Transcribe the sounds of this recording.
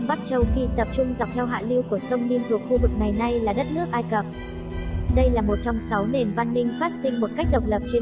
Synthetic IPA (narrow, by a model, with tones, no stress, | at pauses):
ɓaː˦˥k̚t͡ɕə˨˩wxi˧t̪ə˨˩p̚t͡ɕʊ˧ŋ͡mza˨˩k͡p̚t̪ʰɛ˧wɦa̰ː˧˨li˧wku˧˩əsə˧wŋ͡mni˧nt̪ʰʊ˨˩ək̚xu˧vɨ˨˩k̚ŋa˨˩jna˧jlaː˨˩ɗə˦˥t̚nɨ˦˥ək̚ʔaː˧jkə˨˩p̚ | ɗə˧jlaː˨˩mo˨˩t̚t͡ɕɔ˧wŋ͡msa˨˦wne˨˩nva˧nːï˧ŋ̟faː˦˥t̚sï˧ŋ̟mo˨˩t̚ka˦˥k̟̚ɗə˨˩wk͡p̚lə˨˩p̚t͡ɕe˧